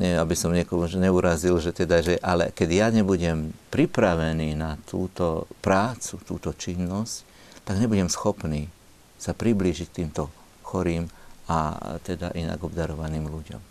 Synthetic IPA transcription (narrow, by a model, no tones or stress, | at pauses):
ɲɛabisɔmɲɪɛkɔmuʒɲɛuɾazilʒɛt̪ɛd̪aʒɛʔalɛ̰kɛɟjaɲɛbuɟɛmpɾipɾaʋɛniːnat̪uːt̪ɔpɾaːt͡sut̪ṵːt̪ɔt͡ʃinːɔsc | t̪aɡɲɛbuɟɛmsxɔpniː | sapɾibliːʒict̪iːmt̪ɔ | xɔɾiːma̰t̪ɛd̪a̰ʔina̰ɡɔbd̪aɾɔʋaniːmluɟɔ̰m